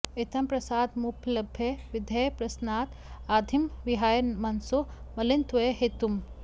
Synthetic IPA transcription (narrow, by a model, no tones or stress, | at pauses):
et̪ɐmpɾɐsaːd̪mupʰlɐbʱjɐʋid̪ʱɐjpɾɐsnaːt̪ | aːd̪ʱimʋiɦaːjɐnmɐnsumɐlint̪ʋɐjɦet̪um